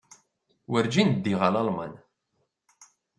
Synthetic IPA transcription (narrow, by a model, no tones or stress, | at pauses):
wəɾd͡ʒind̪ːiʁəlɑlmɑ̰n